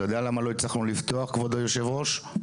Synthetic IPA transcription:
jod̪ealamalo̞it͡slaχnulivt̪o̞aχkvod̪ojoʃe̞vʁo̞ʃ

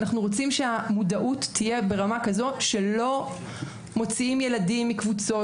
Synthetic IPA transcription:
naχnuʁo̞t͡simʃeamudaʔutːije̞be̞ʁamakazoʃe̞lo̞ | mo̞t͡siimjeladimːikvut͡so̞

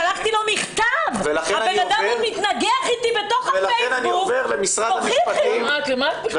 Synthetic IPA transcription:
alaχt̪ilomiχt̪avvelaχeanbenad̪amit̪naɡeaχit̪ibet̪oχaelaeenaniveʁlemisʁaoaχipaimakemat

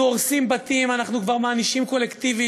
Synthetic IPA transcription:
uoʁsimbat̪imanaχnukvaʁmaːniʃimko̞lekt̪ivi

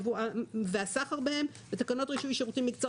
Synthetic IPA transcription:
vuaveasaχaʁbehe̞m | bet̪akano̞t̪ʁiʃuiʃeʁot͡simːikt͡so

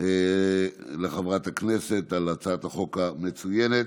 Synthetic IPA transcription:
leχavʁat̪aknese̞t̪alat͡saat̪haχo̞kame̞t͡sujenet̪

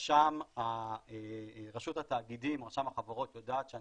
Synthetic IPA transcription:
ʃamaeʁaʃuthat̪aːɡidimʁaʃamaχaveʁo̞t̪jodaːt̪ʃea

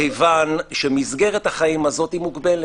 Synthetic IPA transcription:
ejvanʃemizɡe̞ʁethaχaimazo̞timuɡbe̞l

